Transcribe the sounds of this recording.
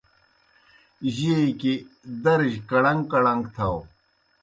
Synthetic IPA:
ʑieikid̪ɐɾʑkɐɽɐŋɡkɐɽɐŋɡt̪ʰɐw

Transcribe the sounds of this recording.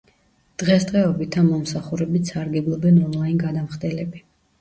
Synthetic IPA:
d̪̥ʁɛsd̪ʁɛɔbit̪ʰamɔmsaχuɾɛbit̪saɾɡɛblˠɔbɛnɔnlˠainɡad̪amχd̪ɛlɛbi

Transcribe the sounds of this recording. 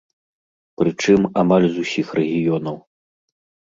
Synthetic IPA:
pɾɨt͡ʂɨmamalʲzusʲixrɛɣʲijɔnɐw

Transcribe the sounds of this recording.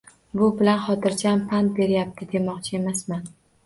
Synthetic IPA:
bʊbɪlanχɒt̪ʰɪɾt͡ʃʰaampʰant̪̚be̞ɾjap̚t̪ʰɪd̪e̞mɒqt͡ʃʰɪe̞masman

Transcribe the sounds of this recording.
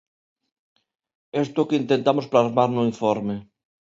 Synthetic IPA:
est̪okeint̪ent̪amosplazmaɾnʊiɱfɔɾme

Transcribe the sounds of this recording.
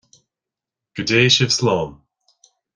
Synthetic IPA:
ɡ̥ədeːʃɪv̥slɔːm

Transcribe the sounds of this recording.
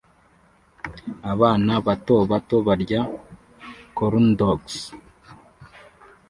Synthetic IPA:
aβaːnaβato̞βato̞βaɾɟa | koɾundoks

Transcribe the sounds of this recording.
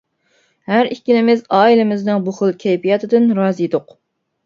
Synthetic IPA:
hæɾikʲːilɪmɪzɑːilɪmɪznɨŋbuχəlˠkʲʰɛjpijɑt̪ʰɨd̪ɨnɾɑːzɨjd̪ʊq

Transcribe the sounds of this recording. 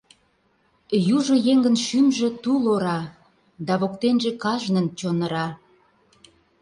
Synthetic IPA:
juʒojeŋɡənʃymʒĕt̪uloɾɑ | d̪ɑβokt̪enʒĕkɑʒnənt͡ɕonə̆ɾɑ

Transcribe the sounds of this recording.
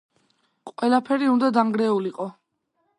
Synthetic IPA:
qʼwɛlˠapʰɛɾiund̪ad̪aŋɡɾɛuliqʼɔ

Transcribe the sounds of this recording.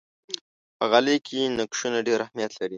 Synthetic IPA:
pəɣalekʰenakʃunaɖeɾahmijat̪laɾi

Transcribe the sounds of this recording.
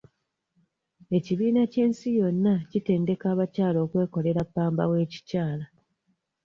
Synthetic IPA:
e̞ciβiːnace̞ːnsijo̞nːacite̞ːnde̞kaːβacaːlo̞ːkwe̞ːko̞le̞ɾapːaːmba̰we̞ːci̥caːla

